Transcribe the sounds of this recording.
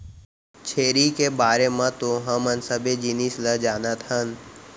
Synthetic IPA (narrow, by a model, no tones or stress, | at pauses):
t͡ʃʰeːɾikebaːɾemãt̪oɦəmənsəbed͡ʒinisləd͡ʒaːnət̪ɦən